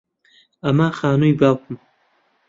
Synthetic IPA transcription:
amaːxaːnujbawkum

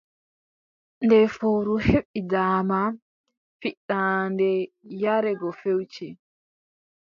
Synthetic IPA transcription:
ndɛfoɾuheɓːidaːma | fiɗandɛjaɾɛɡɔfewt͡ʃi

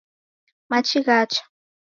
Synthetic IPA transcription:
mat͡ʃiɢat͡ʃḁ

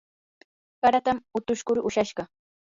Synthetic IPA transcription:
kaɾat̪amʊt̪ʊʃkʊɾʊʃaʃɢɑ

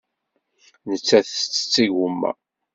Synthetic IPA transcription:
nət͡sːæθt͡sːə̥t͡sːiʝumːæ̰

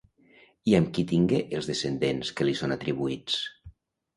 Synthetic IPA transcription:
iəmkit̪iŋɡeʔelˠzðesend̪enskəlisonat̪ɾiβuit͡s

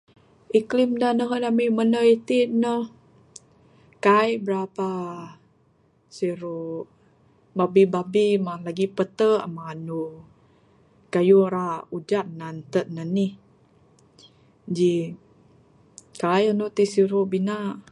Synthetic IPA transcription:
ʔiklimdanəɦədamimənəit̪inə | kajbəɾapa | siɾu | babibabimalaɡipət̪əʔamanu | kajuɾaud͡ʒat̪̚nant̪ət̪̚nəni | d͡ʒi | kajanut̪isiɾuʔbinaʔ

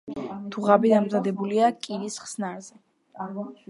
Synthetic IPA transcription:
d̪̥ʰuʁabid̪amzad̪ɛbuliakʼiɾisχsnaɾzɛ

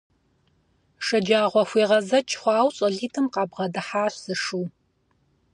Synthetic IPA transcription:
ʂɐd͡ʒaːʁʷɔxʷiːʁɐzɐt͡ʃʰχʷɑːwɕʼɐɮiːtʰɨmqɑːbʁɐdɨħaːɕsɨʂuː

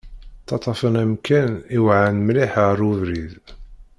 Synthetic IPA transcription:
t̪ɑt̪ˤɑfənæmkæniwʕanmliħəɾˤuvɾið

